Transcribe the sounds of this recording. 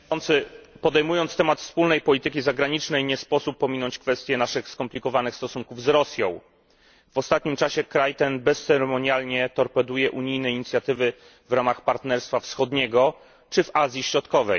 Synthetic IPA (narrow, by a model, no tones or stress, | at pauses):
ɔnt̪sɘpɔd̪ɛjmujɔnt̪st̪ɛmat̪fspulnɛjpɔlʲit̪ɘkʲizaɡɾaɲit͡ʂnɛjɲɛspɔsupːɔmʲinɔɲt͡ɕkfɛst̪ʲjɛnaʂɘxskɔmplʲikɔvanɘxst̪ɔsuŋkuvzɾɔsʲjɔ̃w̃ | v̥ɔst̪at̪̚ɲimt͡ʂaɕɛkɾajt̪ɛnbɛssɛɾɛmɔɲalɲɛt̪ɔɾpɛd̪ujɛʔuɲijnɛiɲit̪sʲjat̪ɘvɘ | vɾamaxpaɾt̪nɛɾst̪fafsxɔd̪ɲɛɡɔ | t͡ʂɘvazʲjiɕɾɔt̪kɔvɛ̰j